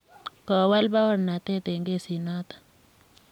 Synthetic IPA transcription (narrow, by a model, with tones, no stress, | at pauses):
kɔ˨wa˦lba˦wa˦nna˨t̪ɛ˦t̪e˨ŋɡe˦si˨nɔ˦t̪ḁ˨